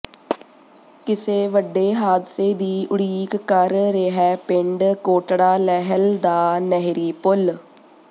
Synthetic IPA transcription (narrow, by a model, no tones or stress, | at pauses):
kɪseːʋəɖːeːɦaːd̪seːd̪iːʔʊɽiːkkəɾːeɦɛːpɪɳɖkoːʈɽaːlɛɦəld̪aːnɛɦɾiːpʊl